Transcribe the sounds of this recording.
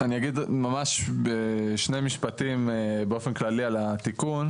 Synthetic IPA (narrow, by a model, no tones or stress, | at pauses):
anijaɡid̪mamaʃbeʃne̞miʃpatimbeofe̞nklalialat̪ikun